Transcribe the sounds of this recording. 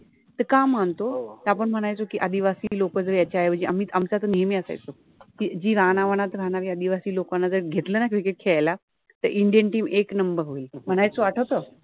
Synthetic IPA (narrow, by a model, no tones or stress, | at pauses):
t̪əkamːant̪ot̪apəɳm̤əɽ̃ajt͡sokiːʔəd̪iʋasiːlokəd͡zəɾjat͡ɕajʋəd͡ʑiamiːt̪amt͡sat̪ənijəmiːəsa̰jt͡so | kid͡ʑiːɾanaʋəñat̪ɾanaʋiːəd̪iʋasiːlokanːad͡zəɾɡʱet̪ləːnakɾikeʈ̚kʰeajla | t̪əɾʔiɳɖijənʈiːmeknəmbəɾɦoilm̤əɽ̃ajt͡soʋaʈʰət̪əː